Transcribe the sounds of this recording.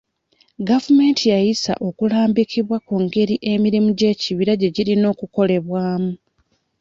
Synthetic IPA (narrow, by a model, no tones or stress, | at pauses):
ɡavume̞ːntʰijajisa̰ʔo̞kulaːmbikiβwakuŋɡe̞ɾiʔe̞miɾimuɟe̞ːciβiɾaɟe̞ɟiɾino̞ːkuko̞le̞βwaːmu